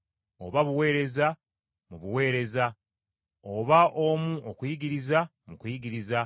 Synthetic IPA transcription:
o̞̰βaβuwe̞ːɾe̞za | muβuwe̞ːɾe̞za | oβaʔomuʔokujiɡiɾiza | mukujiɡiɾiza

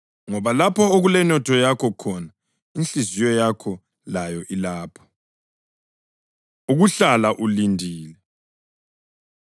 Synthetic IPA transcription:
ŋɔβalapʰɔoɣulɛnɔtʰɔjakʰɔkʰɔna | int͡ɬizijɔjakʰɔ | lajɔʔilaːpʰɔ̥ | uɣuɬalaʔulindʱiːlɛ

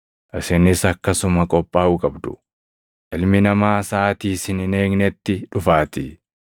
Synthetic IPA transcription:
ʔɪsɪnɪsɐkːɐsʊmɐkʼɔpʼːaːʊkʼɐbd̪ʊ̥̰ | ʔɪlmɪnɐmaːsaːt̪iːsɪnɪneːɡnɛt̪ːɪᶑʊfaːt̪ɪ

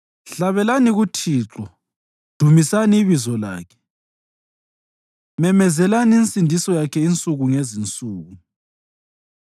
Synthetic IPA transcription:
ɬaβɛlaniɣutʰiːǁɔ | d̥ʱumisaniːβizɔla̰ːkʰɛ̥ | mɛmɛzɛlaniint͡sʼindʱisɔjakʰɛint͡sʼuɣuŋezint͡sʼuːɣu

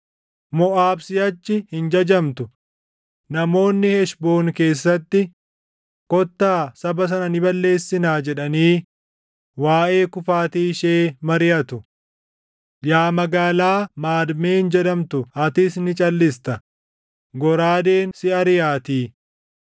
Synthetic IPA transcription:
mɔʔaːbsɪjɐt͡ʃːɪhɪnd͡ʒɐd͡ʒɐmt̪ʊ | nɐmo̞ːnːɪhɛʃbo̞ːnke̞ːsːɐt̪ːɪ | kɔt̪ːaːsɐbɐs̬ɐnɐnɪbɐlːe̞ːsːɪnaːd͡ʒɛᶑɐniː | waːʔe̞ːkʊfaːt̪iːʃeːmɐɾɪjɐt̪ʊ | jaːmɐɡaːlaːmaːd̪meːhɪnd͡ʒɛᶑɐmt̪ʊɐt̪ɪsnɪt͡ʃʼɐlːɪst̪ɐ | ɡɔɾaːd̪eːnsɪɐɾɪjaːt̪iː

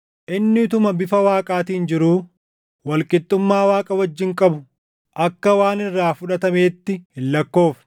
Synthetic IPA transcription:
ʔɪnːɪt̪ʊmɐbɪfɐwaːkʼaːt̪iːnd͡ʒɪɾuː | wɐlkʼɪt̪ʼːʊmːaːwaːkʼɐwɐd͡ʒːɪŋkʼɐbʊ | ʔɐkːɐwaːnɪrːaːfʊᶑɐt̪ɐme̞ːt̪ːɪhɪlːɐkːo̞ːf

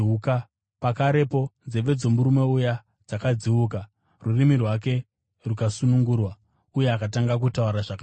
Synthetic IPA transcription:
uka | pakaɾe̞po̞nzeʋe̞d͡zo̞muɾume̞uja | d͡zakad͡ziuːka | rurimirwak̬e̞ | rukasunuŋɡuːrwa | uje̞akataŋɡak̬utauɾaʐaka

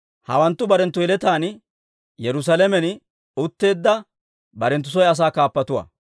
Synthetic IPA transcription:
hɐ̰wɐnt̪ːʊbɐɾɛnt̪ːʊjɛlɛt̪aːn | jɛɾʊs̬ɐlɛmɛn | ʊt̪ːe̞ːd̪ːɐ | bɐɾɛnt̪ːʊs̬ɔjɐs̬aːkaːpːɐt̪ʊwɐ̰ː

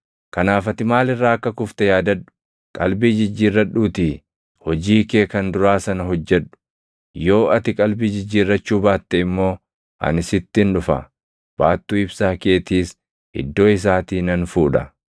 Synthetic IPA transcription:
kɐnaːfɐt̪ɪmaːlɪrːaːɐkːɐkʊft̪ɛjaːd̪ɐᶑʊ̥ | kʼɐlbiːd͡ʒɪd͡ʒːiːrːɐᶑuːt̪iː | hɔd͡ʒiːkeːkɐnd̪ʊɾaːsɐnɐɦɔd͡ʒːɛᶑʊ̥ | jo̞ːʔɐt̪ɪkʼɐlbiːd͡ʒɪd͡ʒːiːrːɐt͡ʃːuːbaːt̪ːɛɪmːo̞ː | ʔɐ̰nɪsɪt̪ːɪnᶑʊfɐ̰ | b̥aːt̪ːuːɪbsaːke̞ːt̪iːs | ʔɪ̰d̪ːo̞ːɪs̬aːt̪iːnɐnfuːᶑɐ

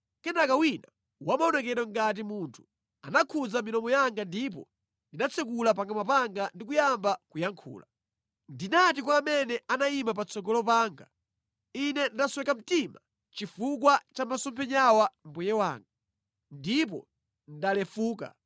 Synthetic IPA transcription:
kɛnakawina | wamaɔnɛkɛɾɔŋɡat̬imuntʰu̥ | anakʰud͡zaminɔmɔjaŋɡandip̬ɔ̰ | ndinat͡sʰɛk̬ulap̬aŋɡamapaŋɡandik̬ujambakujaŋkʰṵːla | ndinatikwaːmɛnɛanaimap̬at͡sʰɔɡɔlɔpaːŋɡa | inɛndaswɛkam̩tima | t͡ʃifuk̬wat͡ʃamasɔmpʰɛɲawam̩bujɛwa̰ːŋɡa | ndip̬ɔ̰ | ndalɛfuːka̰

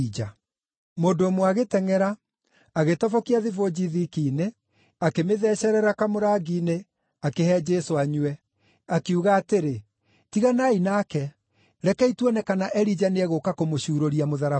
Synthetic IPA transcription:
id͡ʒa | modoːmwaɣetɛŋɛɾa | aɣetɔvɔkiaðivod͡ʑiðikiːne | akemeðɛːɕɛɾɛɾakamoɾaːɡiːne | akeɦɛd͡ʒesoaɲwɛ | akeuɣaːteɾe | tiɣanainaːkɛ | ɾɛkɛitwɛnɛkanaʔɛɾid͡ʒaneɛɣokakomoɕuːɾoɾiamoðaɾa

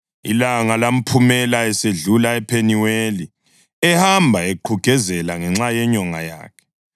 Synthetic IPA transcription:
ḭlaŋalam̩pʰumɛlaɛseɮulaɛpʰeniweli | ɛhambʱaeǃʰuɡ̥ʱɛzɛlaŋɛŋ͡ǁajɛɲɔŋa̰ja̰ːkʰɛ̥

